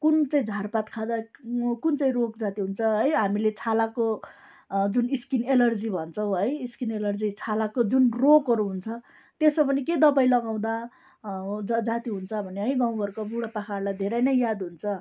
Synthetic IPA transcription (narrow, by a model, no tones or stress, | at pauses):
kunt͡saĩd͡zʱarpat̪kʰad̪akunt͡saĩrok̚d͡zat̪iɦunt͡sʰʌɦʌjɦamilet͡sʰalako | d͡zuniskinelʌrd͡zibʱʌnt͡sʰʌw̃ʌjiskinelʌrd͡zit͡sʰalakod͡zunrokɦʌɾuɦunt͡sʰʌ | t̪esʌpʌniked̪ʌbajlʌɡaw̃d̪a | d͡zʌd͡zat̪iɦunt͡sʰʌbʱʌneɦʌjɡaw̃ɡʌrkabuɽapakʰarlajd̪ʱeɾʌjnʌjjad̪ɦunt͡sʰʌ